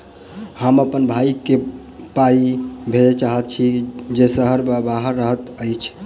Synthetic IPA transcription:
həməpənbʱaike | paibʱed͡ʒet͡ʃaɦət̪̚t͡ʃʰid͡ʒesəɦəɾbbaɦəɾːəɦət̪əjt͡ʃʰ

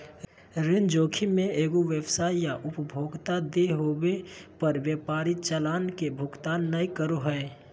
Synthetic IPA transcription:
ɾɪnd͡ʒoːkʰimẽeːɡoʋjəbsaːijaʔʊpəbʱoːɡt̪ad̪eɦobepəɾʋjəpaːɾɪt̪̚t͡ʃəlaːnkebʱʊɡt̪aːnːəikəɾoɦɛː

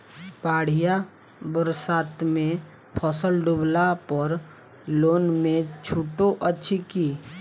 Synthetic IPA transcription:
paːɽ̤ija | bəɾsaːt̪mẽ | pʰɔːsəlɖublapəɔɾ | loːnmẽt͡ʃʰuːʈoʔətːʃʰikiː

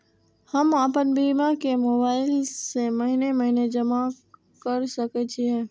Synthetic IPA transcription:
həmaːpənbiːmakemoːbaːɪlseməɦineməɦined͡ʒəma | kəɾsəket͡ʃʰiɦɛ̃ː

